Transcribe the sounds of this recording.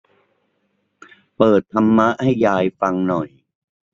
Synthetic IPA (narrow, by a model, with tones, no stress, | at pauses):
pɤː˨˩t̪ʰːa˧mːa˦˥ʔha˥˩jːaː˧jfa˧ŋnɔ˨˩j